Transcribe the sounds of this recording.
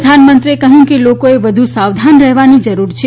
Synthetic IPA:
d̪ʱanmənt̪ɾiekəɦjũkelokoeʋəd̪ʱusaʋd̪ʱanɾəɦʋanid͡ʒəɾuɾt͡ʃʰe

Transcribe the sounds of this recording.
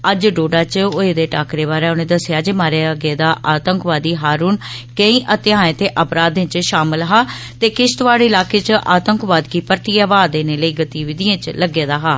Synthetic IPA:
əd͡ʒɖoːɖaːt͡ʃoeːd̪eːʈaːkɾeːβaːɾɛːʊnẽːd̪əsɪjaːd͡ʒeːmaːɾeɡeːd̪aːʔaːt̪əŋkʋaːd̪iːɦaːɾuːnkəĩːʔət̪ɪãːẽːt̪eːʔəpɾaːd̪ẽːt͡ʃʃaːmɪlɦaː | t̪eːkɪʃt̪ʋaːɽeːɪlaːkeːt͡ʃʔaːt̪əŋkʋaːd̪kiːpəɾt̪iːaːʋaːd̪eːneːləiːɡət̪iːʋɪd̪ijãːt͡ʃləɡeːd̪aːɦaː

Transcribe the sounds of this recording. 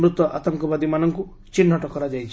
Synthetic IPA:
mɾut̪wɔʔa̰t̪ɔŋkɔbad̪imanɔŋku | t͡ʃin̤ːɔʈɔkɔɾad͡ʒajt͡ʃʰi

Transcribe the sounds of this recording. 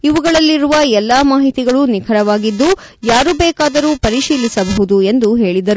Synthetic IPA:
iʋuɡɐɭɐlːiɾuʋɐɛlːaːmaːɦit̪iɡɐɭunikʰɐɾɐʋaːɡid̪ːu | jaːɾubɛːkaːd̪ɐɾuːpɐɾiʃiːlisɐbɐɦud̪ue̞nd̪uɦe̞ːɭid̪ɐɾu

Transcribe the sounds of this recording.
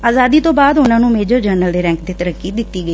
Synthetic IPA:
aːzaːd̪iːt̪õbaːd̪ʊnãːnũːmeːd͡ʒəːd͡ʒəːɾnəld̪eːɾɛ̃ːŋk̚d̪eːt̪əɾəkːid̪ɪt̪ːiːɡəiː

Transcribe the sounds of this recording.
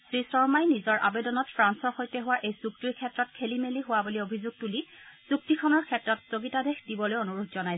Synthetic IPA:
sɹisɔɹmajnizɔɹʔa̰bedɔnɔtpʰɹansɔɹxojtɛɦʊwaʔejsuk̚tiɹkʰɛtɹɔtkʰelimeliɦʊwabuliobʱizuɡ̚tulisuk̚tikʰɔnɔɹkʰɛtɹɔtsoɡitadexdibɔlojonuɹutzɔnaj

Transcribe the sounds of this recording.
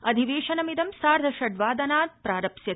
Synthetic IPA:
ɐd̪ʱiʋeːʃɐnɐmid̪ɐmsaːɾd̪ʱɐʃɐɖʋaːd̪ɐnaːd̪̚pɾaːɾɐpsjɐ

